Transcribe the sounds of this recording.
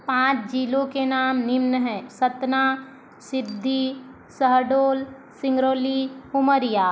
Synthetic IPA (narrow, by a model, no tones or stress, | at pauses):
pãːt͡ʃd͡ʒiːlõkenaːmnɪmnəɦɛ̃ːsət̪na | sɪbd̪ʱːi | səɦɖoːl | sɪ̃ŋɡɾoːlihʊməɾɪjaː